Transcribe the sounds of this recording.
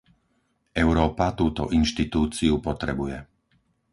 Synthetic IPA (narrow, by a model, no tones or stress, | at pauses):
ɛʊɾɔːpat̪uːt̪ɔ̰ʔinʃt̪it̪uːt͡siupɔt̪ɾɛbujɛ